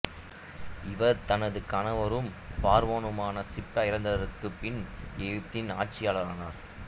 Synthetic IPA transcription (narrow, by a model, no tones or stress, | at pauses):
ɪʋɐɾt̪ɐnɐðɯkɐnɐʋɐɾɯmpaːɾʋoːnɯmaːnɐsɪpːɐɪɾɐnd̪ɐʋɐɾɯkːɯpːɪnɛɯt̪ːɪnaːʈt͡ʃːɪjaːlɐɾaːnaːɾ